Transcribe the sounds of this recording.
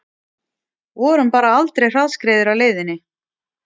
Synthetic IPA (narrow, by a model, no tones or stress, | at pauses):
vɔɾʏmpaːɾaalt̪ɾejr̥aðskɾeːðʏɾawleːjðɪnːɪ